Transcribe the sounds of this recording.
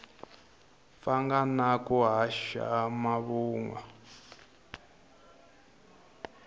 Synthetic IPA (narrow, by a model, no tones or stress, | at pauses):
faŋɡanakuɦaʃa̰maβuːŋwa